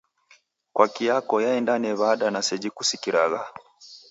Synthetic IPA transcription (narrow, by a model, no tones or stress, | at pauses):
kwakiakɔjaɛndanɛβaɗanasɛd͡ʒikusikiɾaɣa